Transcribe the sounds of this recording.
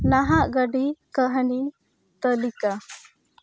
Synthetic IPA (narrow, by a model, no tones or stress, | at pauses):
naɦaʔɡəɖikəɦni | t̪əlika